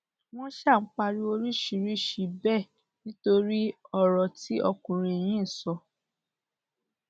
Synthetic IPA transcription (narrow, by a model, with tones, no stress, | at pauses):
w̃ɔ̃˦ʃa˦˨ŋ͡m̩˦k͡pa˧ɾi˦o˧ɾi˦ʃi˧˨ɾi˦ʃi˨˧bɛ˦˨ | nĩ˦to˧ɾi˦ɔ˦˨ɾɔ˨ti˦ɔ̰˧kũ˨ɾ̃ĩ˨e˨j̃ĩ˦˨sɔ˧